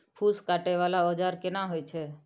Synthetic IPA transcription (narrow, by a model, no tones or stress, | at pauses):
pʰuskaʈeʋalaɔd͡ʒaɾkɪnaɦojt͡ʃʰe